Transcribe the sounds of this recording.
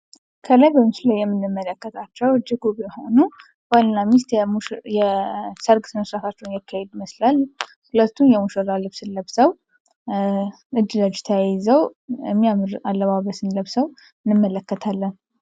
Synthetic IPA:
kʰələjbəmɨt͡ʃlajːɛmːɨnːɨmːələkːət̪ʰat͡ʃːɛwɨd͡ʒɪɡuɡjhonu | balnamist̪mujɛsəɾɡsʰɨməsɾafat͡ʃːɛwnjakʰːahɛd̪məslal | hulət̪ːunjɛmuʃəɾalɨβsɨnləβsəw | ɨd͡ʒːləd͡ʒt̪ʰəjajzəwmːiamɾalːəβaβəsɨnləβsəw | ɨnːɨmːələkːət̪ʰalːən

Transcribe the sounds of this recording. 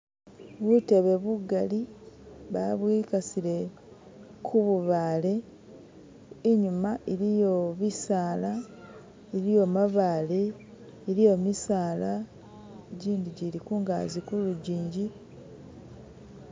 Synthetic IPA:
βute̞βe̞βuɡaliβa̰βwikasiɾe̞ | kʰuβuβaːle̞ | ɲumaʔeɾijo̞βisaːla | eɾijo̞maβaːleː | ɾijo̞misaːla | ɟiːndiɟiɾikuːŋɡa̰zikuluɟiːɲɟi

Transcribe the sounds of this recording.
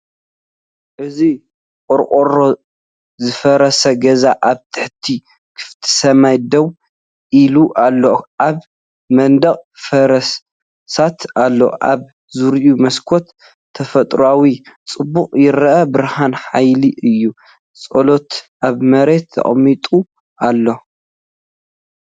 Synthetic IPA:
ʔɨzi | qʼoɾqʼoɾo | zɨfɐɾɐsɐɡɐzaʔaβt̪ʰɨ̥ħt̪ʰi | kʰɨ̥ft̪ʰɨ̥sɐmajd̪ɐw | ʔiluʔalːoʔaβ | mɐnd̪ɐχʼfɐɾɐs | sat̪ʰalːo̰ʔa̰β | zuɾiʔumɐskʰo̞t̪ʰː | ɐfɐt̪ʼɾuawit͡sʼɨbːuqʼjɪɾɐʔɐbɨɾhanħajliɨjːu | t͡sʼolo̞t̪ʔaβmɐɾe̞t̪ʰːɐ̰χʼmːit̪ʼu | ʔalːo̞

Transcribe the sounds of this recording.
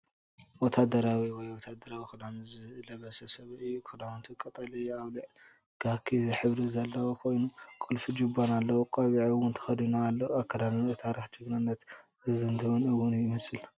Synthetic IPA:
wɔt̪ʰːad̪ɐɾawiwɔjwɔt̪ʰad̪ɐɾawikʰɐd̪amɨzɨlɐβɐsɐsɐβɨjːukʰɐd̪amunt̪ʰɨkʼɐt̪ʼɐlijaβliʕ | ɡ̥akʰːiħɨβɾizɐlːɐwokʰo̞jnukʼolfid͡ʒubanalːɐwukʼɐβiʕɨwʊnt̪ʰɐ̥xɐd̪inaːlːɐwakʰːɐlanɨnɨt̪ʰaɾixd͡ʒɨɡnɨnːɐt̪ | ɨzɨnd̪ʰɨmɨnɨwːʊnjɪmɐsɨl

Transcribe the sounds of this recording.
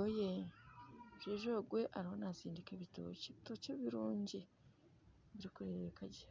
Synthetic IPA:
oje | ʒeːʒoɡwe̞ʔaɾiho̞naziːndikeβito̰ceβito̞ːceβiɾuːɲɟi | βiɾikuɾeβekaɟia

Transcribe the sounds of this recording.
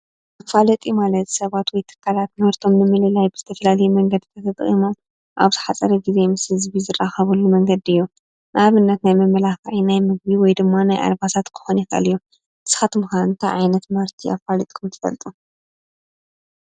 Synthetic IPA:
ʔafalɐt̪ʼimalɐt̪sɐβat̪wɔjt̪ʰɨ̥kʰːalat̪mhɨɾt̪ʰo̞mnɨmɨlɨlajbɨzɨt̪ʰɐfɐlalɐjumɐŋɡɐd̪t̪ʰɐt̪ʰɐt̪ʼχʼḭmo̞m | ʔaβzɨħat͡sʼɐɾɐɡize̞mɨshɨzβizɨrːaxɐβulːumɐŋɡɐd̪ɨjːu | nʔʔaβɨnːɐt̪najmɨmːɐlaxɐʕinajmɨɡ̚biwɔjd̪ɨmːanajʔa̰lbasat̪kʰɨ̥xonjixɐ̰lju | ɨsɨ̥xat̪ʰɨmɨxanɨnt̪ʰaʕajnɐt̪mhɨɾt̪ʰia̰falɨt̪ʼkʰɐmt̪ʰɐ̥fɐ̰lt̪ʼu

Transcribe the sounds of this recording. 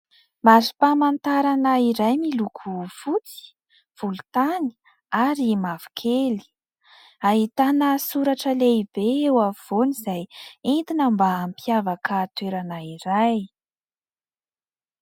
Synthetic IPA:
mazi̥pamant̪aɾanaiɾajmilukʰufut͡si̥ | v̥ulut̪ani̥ | aɾimavu̥kʰeli̥ | aɦit̪anəsuɾaʈ͡ʂəleibeewav̥onizajint̪inəmbaːmpijavakaːt̪weɾanaiɾaj

